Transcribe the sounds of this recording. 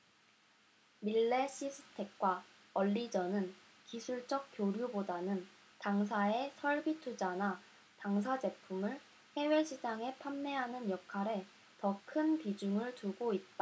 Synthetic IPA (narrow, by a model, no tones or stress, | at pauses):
miɭːe̞ɕ͈ʰisʰɯ̥tʰe̞k̚k͈wa | ʌʎːid͡ʑʌnɯn | kisʰuɭt͡ɕ͈ʌk̚k͈joɾjubodanɯn | taŋs̬ʰae̞sʰʌɭbitʰud͡ʑana | taŋs̬ʰad͡ʑe̞pʰumɯɭ | he̞we̞ɕʰid͡ʑaŋe̞pʰamne̞ɦanɯnjʌkʰaɾe̞ | tʌkʰɯnpid͡ʑuŋɯɭtuɡoit̚t͈a